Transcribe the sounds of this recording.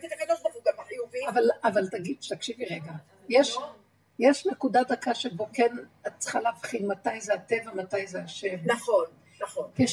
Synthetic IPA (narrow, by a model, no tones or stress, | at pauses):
ket̪akad̪olavuɡamaħijuviavalavalt̪aɡid̥̪ʃe̥t̪akʃiviʁeɡa | jeʃ | jeʃnekudadakaʃebo̞kenat͡sχalavχinmatajzeatevamatajzeaʃevnaχon | naχonke